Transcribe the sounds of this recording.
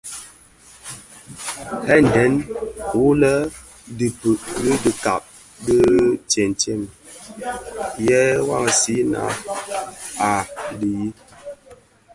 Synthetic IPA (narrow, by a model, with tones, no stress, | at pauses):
hɛ˦˨n˨dɛ˨˦n˨wu˦lə˦ | di˨pə˨ʔdi˦di˨ka̰˨p̚ | də˦t͡ʃe˨n˨t͡ʃe˦˨m | jɛ˦wa̰˦˨ŋ˨si˦na̰˨˦ | a˨di˨ji˦